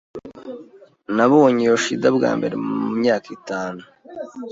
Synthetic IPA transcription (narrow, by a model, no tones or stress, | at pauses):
naβuoɲijoʃidabɡa̰ːmbe̞ɾḛmumɲaːkitaːnu